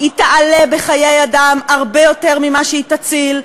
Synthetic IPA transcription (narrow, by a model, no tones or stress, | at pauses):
hitale̞be̞χajejadamaʁbe̞jo̞te̞ʁmimaʃeitat͡sil